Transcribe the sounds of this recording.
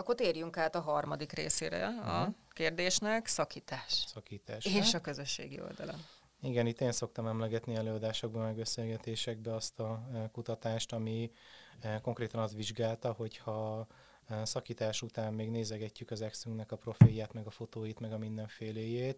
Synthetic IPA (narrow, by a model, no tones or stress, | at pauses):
ɒkːot̪eːrjyŋkaːt̪ɒɦɒrmɒd̪ikrḛːsḛːɾɛ̰ɒkeːrd̪eːʃnɛksɒkiːt̪aːʃsɒkiːt̪aːʃeːʃɒkøzøʃːḛːɡio̰ld̪ɒ̰lɒ̰n | iɡɛnit̪ːeːnso̞k̚t̪ɒmɛmlɛɡɛt̪niɛløːɒd̪aːʃo̞ɡ̚bɒmɛɡbɛseːlɡɛt̪eːʃɛɡ̚bɛɒst̪ɒkut̪ɒt̪aːʃt̪ɒmi | ko̞ŋkreːt̪ɒnɒst̪ʋiʒɡaːlt̪ɒho̞chɒ | sɒkiːt̪aːʃut̪aːmːeːɡneːzɛɡɛcːykɒzɛksyŋknɛkɒpro̞feːjaːt̪mɛɡɒfo̞t̪oːjit̪mɛɡɒmind̪ɛɱfeːleːjeːt̪